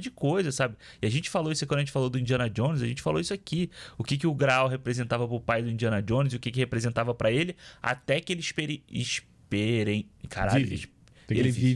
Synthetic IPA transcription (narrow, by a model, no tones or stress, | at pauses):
d͡ʒɪkojzɐsabɪ | ɪaʒẽnt͡ʃɪ̥faloisʊkw̃d̪ɐʒẽt͡ʃɪfalod̪ʊĩd͡ʒiɐ̃nɐd͡ʒõnɪz̬aʒẽnt͡ʃɪfalo̰isʊakiʊkɪk̬ɪʊɡɾaawɦepɾezẽnt̪avɐpɾʊpajd̪ʊĩnd͡ʒiɐ̃nɐd͡ʒõnɪziʊkɪkɪhepɾezẽnt̪avɐpɾɐelɪa̰t̪ɛkɪelɪʃpɛɾẽḭʃ | pɛɾẽj̃kʰa̰ɾaiv | ḛlɪi